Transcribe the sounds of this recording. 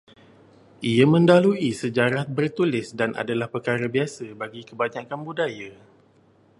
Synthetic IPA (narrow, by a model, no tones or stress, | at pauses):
ʔiamə̃ndaluisəd͡ʒaɾahbərt̪ulɪsdanʔa̰dalahpərkaɾabiasabaɡikəbaɲãkanbudaja